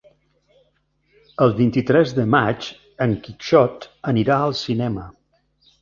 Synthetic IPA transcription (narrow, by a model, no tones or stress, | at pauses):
əlˠβint̪it̪ɾɛzðəmat͡ʃ | əŋkiʃɔt̪əniɾaəlˠsinɛmə